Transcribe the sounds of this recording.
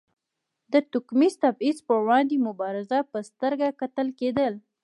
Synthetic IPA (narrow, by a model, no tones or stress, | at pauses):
d̪ət̪ʊkmizt̪abizpəwɑnd̪emʊbɑɾɪzapəst̪əɾɡakat̪əlked̪əl